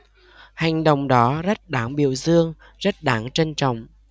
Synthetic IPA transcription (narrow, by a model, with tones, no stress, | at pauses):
ha˨˩jŋ̟ɗə̰˨wŋ͡mɗɔ˨˦zə˦˥t̚ɗaː˨˦ŋɓḭ˧˨əwzɨ˧əŋ | zə˦˥t̚ɗaː˨˦ŋt͡ɕe˧nt͡ɕɔ̰˧˨wŋ͡m